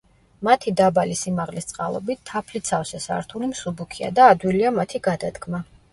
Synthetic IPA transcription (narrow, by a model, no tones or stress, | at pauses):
mat̪ʰid̪abalisimaʁlist̪sʼqʼa̰lˠɔ̰bit̪ʰːapʰlit̪sʰafsɛsa̰ɾt̪ʰulimsubukʰia̰d̪aːd̪wiliamat̪ʰiɡad̪ad̪ɡma